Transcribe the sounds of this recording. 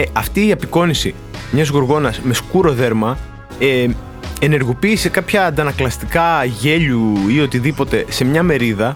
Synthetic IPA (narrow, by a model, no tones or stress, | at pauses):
ɐft̪iːɐpiko̞nisi | mɲɐzɣuɾɣo̞nɐsme̞skuɾo̞ðe̞ɾmɐ | e | ene̞ɾɣo̞piːse̞kɐpçɐːnd̪ɐnɐklɐst̪ikɐʝe̞ʎuio̞t̪iðipo̞t̪e̞se̞mɲɐme̞ɾiðɐ